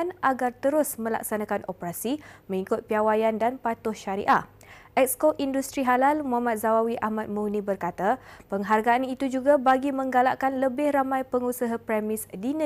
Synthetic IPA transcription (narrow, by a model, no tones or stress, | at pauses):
nʔaɡart̪əɾʊsmə̃la̰ksanãkanʔopəɾasimə̃ŋikʊt̪̚piawajandanpat̪ʊhʃaɾḭʔaʔ | ʔɛk̚skoʔindust̪ɾiɦalalmuɦamat̪̚zawawiʔahmat̪̚munibərkat̪apəŋɦarɡaanit̪ud͡ʒuɡabaɡimə̃ŋɡala̰ʔkanləbɪhramãjpəŋusaɦapɾɛmɪsdinə̃